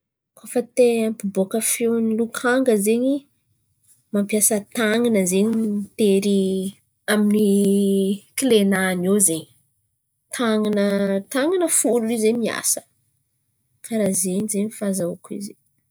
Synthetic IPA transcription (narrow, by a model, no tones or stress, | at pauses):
kʰofət̪eampibokəfewnlukʰaŋɡəzeɲi | mampjasət̪aŋanəzeɲiit̪eɾi | amini | kilenanozeɲi̥ | t̪ʰaŋanət̪aŋanəfulizemia̰sə̥ | kʰaɾazeɲizeɲifazaukuḭze